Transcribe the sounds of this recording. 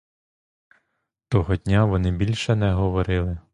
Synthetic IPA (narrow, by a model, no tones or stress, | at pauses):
t̪ɔɦɔdʲnʲaʋɔnɪbʲilʲʃɛnɛɦɔʋɔɾɪlˠɪ